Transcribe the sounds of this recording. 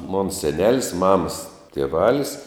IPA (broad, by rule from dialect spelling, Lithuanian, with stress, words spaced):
moːn sʲɛˈnʲæːlʲɪs ˈmɑːmɐs tʲiɛˈʋɑːlʲɪs